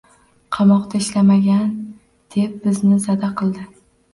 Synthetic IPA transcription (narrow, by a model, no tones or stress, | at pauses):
qʰɑmɒqt̪ʰaɪʃlamaɡʲan | d̪̥e̞p̚bɪznɪzad̪aqʰɨlˠd̪ɪ